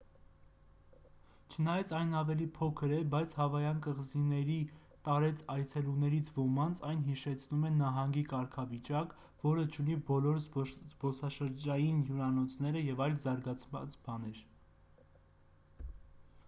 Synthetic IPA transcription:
t͡ʃʰənɑjɑt͡sʰɑjnɑvɛlipʰɔkʰəɾɛbɑjt͡sʰhɑvɑjɑnkəʁzinɛɾi | t̪ɑɾɛt͡sʰɑjt͡sʰɛlunɛɾit͡sʰvɔmɑnt͡sʰɑjnɦiʃɛt͡sʰnumɛnɑɦɑŋɡikɑɾkʰɑvit͡ʃɑk | vɔɾət͡ʃʰunibɔlɔɾzzbɔsɑʃəɾd͡ʒɑjinjuɾɑnɔt͡sʰnɛɾəjɛvɑjlzɑɾɡɑt͡sʰmɑ̰t͡sbɑnɛɾ

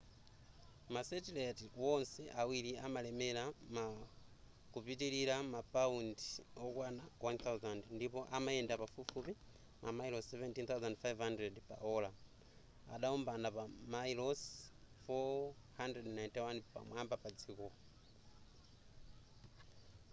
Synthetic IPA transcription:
masɛtilɛtwɔnsɛʔawiɾiamalɛmɛlama | kupitiliɾamapaundiɔkwanawant̪ʰawzandndipɔʔamaɛndapafufupi | mamajlɔssɛvɛntint̪awzandfajvhandrɛdpa̰ʔɔla | a̰ɗaumbanapamailɔs | fɔ | handrɛdnajntiwanpa̰mwambapad͡zikɔ

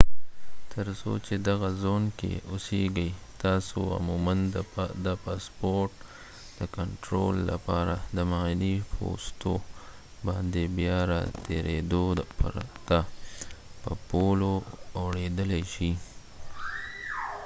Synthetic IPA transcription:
t̪ʰəɾso̰t͡ʃed̪aɣazonkḛʊseɡəj | t̪ɑso̰a̰mumand̪əpɑspoɾʈ̚ | d̪̥əkaɳʈɾo̰lːa̰pɑɾad̪əmanipʰo̰st̪o | bɑnd̪ebjɑɾɑt̪ʰeɾed̪opaɾa̰t̪a | pəpoloːwɽed̪əlajʃi

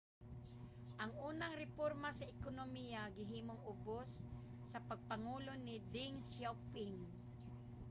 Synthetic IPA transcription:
ʔɐŋʔuːnɐŋɾɛpoɾmasɐʔɪkonomijaɡɪɦiːmoŋʊbosː | ɐpɐɡ̚pɐŋuːlo̞nɪd̪ɪŋsawpɪŋ

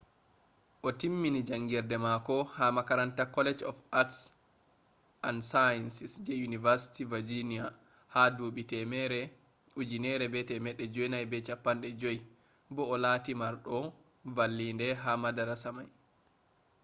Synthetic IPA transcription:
ʔɔtimːinid͡ʒaŋɡɛɾdɛmakɔhamakaɾantakɔlɛd͡ʒɔ̰fats | ʔansajɛnsisd͡ʒɛjunivaɾsi̥tivad͡ʒinia | haduɓitɛmɛɾɛ | ud͡ʒinɛɾɛbɛtɛmɛɗːɛd͡ʒojnajbɛt͡ʃapːanɗɛd͡ʒoj | bɔːlaːtimaɾɗɔ | valːindɛɦamadaɾasamaj

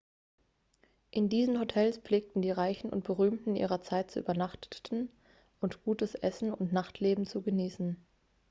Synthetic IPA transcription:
ʔɪndiːzn̩ɦotʰɛlsp͡fleːk̚tn̩diːʁaɪçn̩ʊ̰nt̚b̥əʁyːmtn̩ʔḭːʁɐt͡saɪt̚t͡suʔy̰ːbɐnaχtn̩ | ʔʊntɡ̥uːtəsʔɛsn̩ʊntnaχtʰleːbm̩t͡suɡəniːsn̩

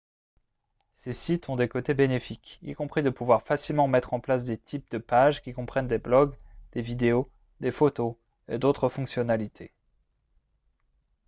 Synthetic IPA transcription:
sesit̪ɔ̃d̪ekot̪ebenefikḭkɔ̃pχid̪əpuvwaʁfasilmɑ̃mɛt̪χɑ̃plas̬d̪et̪ʰip̚d̪əpaʒkʲikɔ̃pχɛnd̪eblɔɡd̪̥evid̪eo | d̪efot̪o | ed̪ot̪χəfɔ̃ksjɔnalit̪ʰe

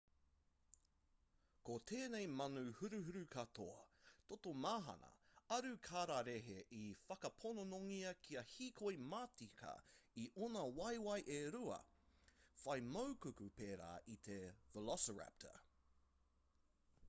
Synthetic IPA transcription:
kot̪ʰeːnejmɐnʉhʉɾʉɦʉɾʉkʰɐtʰoɐt̪ot̪omaːɦɐ̰nɐ̰ɐɾʉkʰaːɾaɾeɦeʔifɐkɐpʰononoŋiɐkʰiɐhiːkʰojmaːtikʰɐ̰iʔonɐwɐjwɐjʔeɾuɐ̰ | fɐjmowkʉkʉpeːɾa̰ːʔit̪ʰevəlɔsəɹæ̰p̚tʰə̰

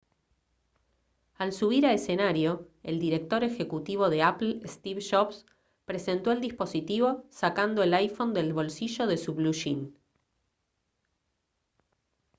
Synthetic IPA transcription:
alsuβ̞iɾaese̞naɾjo̞e̞ld̪iɾe̞k̚t̪o̞ɾe̞xe̞kut̪iβo̞ðe̞apl̩est̪iβʃops | pɾese̞nt̪o̞eld̪ispo̞sit̪iβ̞o̞sakand̪o̞elajfo̞nd̪e̞lβo̞lsiʒo̞ð̞e̞suβluʃin

